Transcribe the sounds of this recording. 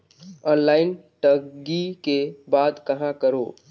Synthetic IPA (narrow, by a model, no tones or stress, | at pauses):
ɔːnlaːɪnʈəɡɡikebaːd̪kəɦãkəɾo